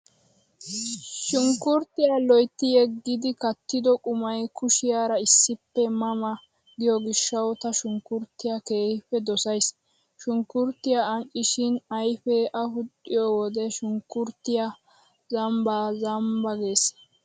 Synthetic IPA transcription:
ʃʊŋkːʊɾt̪ːɪjaːlɔjt̪ːɪjɛɡːɪd̪ɪkɐt̪ːɪd̪ɔkʼʊmɐjkʊʃɪjaːɾɐɪsːɪpːɛmɐmɐ | ɡɪjɔɡɪʃːɐwt̪ɐʃʊŋkʊɾt̪ːɪjake̞ːhɪɸɛd̪ɔsɐjs | ʃʊŋkʊɾt̪ːɪjaːŋʔʼɪʃɪnɐjfɛʔɐhʊt̪ʼːɪjɔwɔd̪ɛʃʊŋkːʊɾt̪ːɪja | zɐmbaːzɐmbɐɡe̞ːs

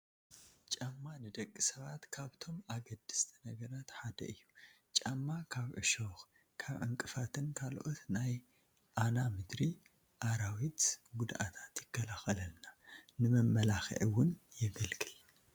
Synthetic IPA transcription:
t͡ʃʼamːanɨd̪ɐkʼːisɐβat̪kʰaβt̪ʰo̞mʔaɡɐd̪ːɨst̪ʰɨnɐɡɐɾat̪ħad̪ɐ̰ɨjːu | t͡ʃʼamːakʰaβʕɨ̰ʃox | kʰaβʕɨ̰ŋkʼɨfat̪ʰɨnkʰalʔot̪naj | ʔanamɨd̪ɾi | ʔaɾawit̪ɡud̪ʔa̰t̪ʰḁt̪jɪkːɐlaxɐlɐlnanɨmɐmːɐlaxɨ̰ʕiwʊnjɪɡɐlɡɨl

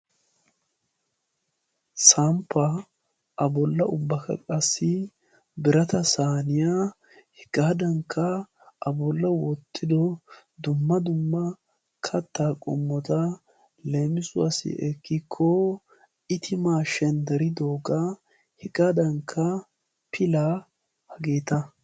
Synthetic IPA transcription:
sampːɐ | ʔɐbɔlːɐʔʊbːɐkɐ̰kʼɐsːɪ | bɪɾɐt̪ɐsaːnɪjaː | hɪkʼaːd̪ɐŋkʰːɐ | ʔɐbɔlːɐwɔt̪ʰːɪd̪ɔ | d̪ʊmːɐd̪ʊmːɐ | kʰɐt̪ːaːkʼɔ̰mːɔt̪ɐ | le̞ːmɪsʊa̰sɪ̰ʔɛkːɪkʰːɔ | ɪt̪ʰɪmaːʃɛnd̪ɛɾɪd̪oːɡa | hɛkʼad̪ɐŋkʰːɐ | pʰɪla | hɐɡeːt̪ɐ

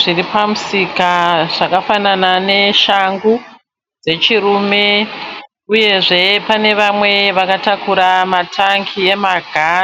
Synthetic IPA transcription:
ʐiripamusikaʐ̥akafananane̞ʃaŋɡu | d͡ze̞t͡ʃiruːme̞ | uje̞ʐe̞pane̞ʋamwe̞ʋakatakuɾamatʰaŋɡie̞maɡʱa

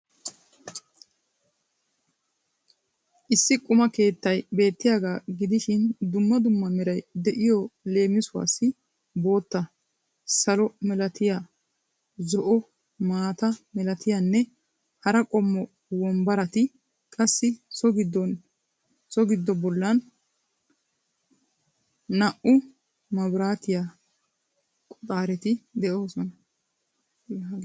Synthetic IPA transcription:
ʔɪsːɪkʼʊmɐke̞ːt̪ːɐjbe̞ːt̪ːɪjaːɡaːɡɪd̪ɪʃɪnd̪ʊmːɐd̪ʊmːɐmɛɾɐjd̪ɛʔɪjɔle̞ːmːɪsʊwa̰ːsːɪ | bo̞ːt̪ːɐ | sɐlɔmɛlɐt̪ɪja | zɔʔɔ | maːt̪ɐmɛlɐt̪ʰɪjanːɛ | hɐɾɐkʼɔmːɔ | wɔmbɐɾɐt̪ɪ | kʼɐsːɪsɔɡɪd̪ːɔn | sɔɡɪd̪ːɔbɔlːɐn | ɐʔʊ | mɐbɾaːt̪ɪjaː | kʼɔt̪ʼaːɾɛt̪ɪd̪ɛʔoːsɔnɐ | jaɡ

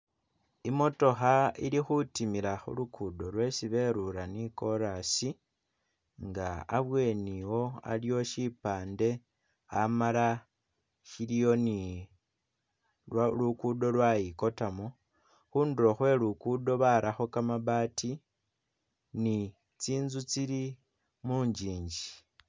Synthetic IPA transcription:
imo̞to̞xaḭlixutimilaxṵlukʰudo̞lwe̞siβe̞ɾuɾaniko̞ɾasi | ŋɡaːβwe̞niwo̞a̰lijo̞ʃipaːnde̞ | amala | ʃilijo̞ni | lukudo̞lwajiko̞tamo | xuːnduɾoxwe̞lukudo̞βaɾʔaxo̞kamaβaːti | ni | t͡siːnzut͡siɾi | muːɲd͡ʒiːɲɟi

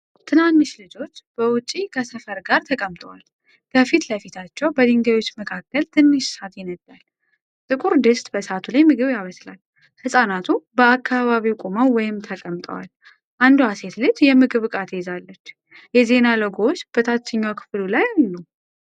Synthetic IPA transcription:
t̪ʰɨnant̪ːɨʃlɨd͡ʒo̞t͡ʃːb̥əwʊt͡ʃʼːikʰəsəfəɾɡaɾt̪ʰəkʼəmt̪ʼəwal | kʰəfit̪ləfit̪ʰat͡ʃːɛwbəd̪ɨŋɡajwo̞t͡ʃːməkʰakːəlt̪ʰɨnːɨʃsat̪jɛnəd̪ːal | t̪ʼɨkʼuɾd̪ɨst̪ʼbəsat̪ʰulajmɨɡɨβjaməsla̰l | hɨsʼanat̪ʰubəakːaβaβiwkʼoməwwɔjɪmt̪ʰəkʼəmt̪ʼə̰wa̰l | ʔand̪uhase̞t̪lɨd͡ʒjɛmɨɡɨβɨkʼat̪ezalːət͡ʃː | jɛze̞naləɡot͡ʃːb̥ət̪ʰat͡ʃːɨɲːakʰɨ̥flulajnːəw

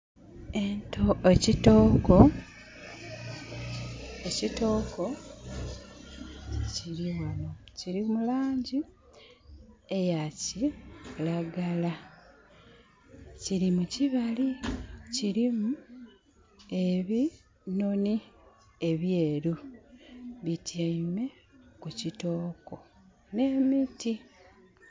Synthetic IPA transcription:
entʰoecitoko | ecito̞ːko̞ | ciɾiwano̞ciɾimulaːɲɟi | e̞jacilaɡala | ciɾimuciβaliciɾimu | e̞βi | no̞ni | e̞βje̞ːɾu | βitʰjame̞ | kucito̞ːko̞ | ne̞ːmiti

